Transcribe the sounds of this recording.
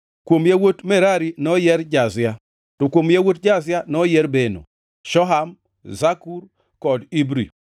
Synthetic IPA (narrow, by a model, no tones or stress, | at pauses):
kwomjawotmɛɾaɾinɔjɛɾd͡ʒazɪa | tokwomjawot̚d͡ʒazɪanɔjɛɾbeno̰ | ʃɔɦam | zakuɾ | kɔdibɾḭ